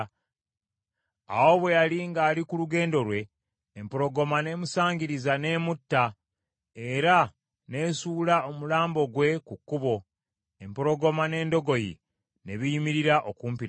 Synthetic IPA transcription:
a̰wo̞βwe̞jaliŋɡaːlikuluɡe̞ːndo̞ɾwe̞ː | mpoɾo̞ɡo̞mane̞ːmusaːɲɟiɾizane̞ːmutːa | e̞ɾa | ne̞ːsuːlao̞mulaːmbo̞ɡwe̞kukːuβo̞ | empoɾo̞ɡo̞mane̞ːndo̞ɡo̞jḭ | ne̞βijimiɾiɾaʔokuːmpiɾ

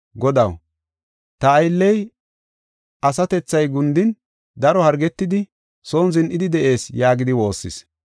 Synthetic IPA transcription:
ɡɔd̪ɐw | t̪ɐːjlːɛj | ʔɐsɐt̪ɛt͡sːɐjɡʊnd̪ɪn | d̪ɐɾɔhɐɾɡɛt̪ːɪd̪ɪ | so̞ːnzɪnʔɪd̪ɪd̪ɛʔe̞ːsjaːɡɪd̪ɪwo̞ːsːɪ̰s

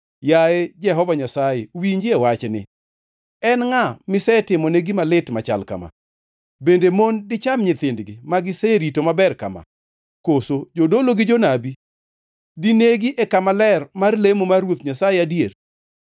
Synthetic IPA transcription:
jaed͡ʒɛɦɔvaɲasajewiɲd͡ʒɪewat͡ʃɛnɪ̰ | ɛnŋamɪsɛtɪmoneɡimalɪtmat͡ʃa̰lka̰ma̰ | bendemondɪt͡ʃamɲɪt̪ɪndɡɪmaɡɪsɛɾitomabɛrka̰ma̰ | kosod͡ʒodoloɡɪd͡ʒonabi | dineɡiʔekamalɛrmarlemomarwot̪ɲasajeadjer

